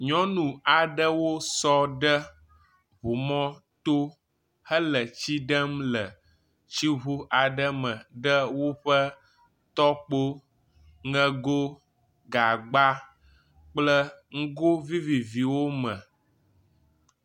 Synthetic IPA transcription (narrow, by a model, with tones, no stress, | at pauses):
ɲɔ̃˦nũ˨a˨ɖə˦wo˦sɔ˦ɖə˦ | βu˨mɔ̃˦t̪o˦ | hə˦lə˨t͡ɕi˦ɖə˦mlə˨ | t͡ɕi˦ɦu˦ʔa˨ɖə˦mə̃˨ɖə˦wo˦ɸə˦ | t̪ɔ˦k͡po˦ | ŋə̃˦ɡo˦ | ɡa˨ɡ͡ba˦ | k͡plə˦ŋ̩˦ɡo˦vi˦vi˨vi˨wo˦mə̃˨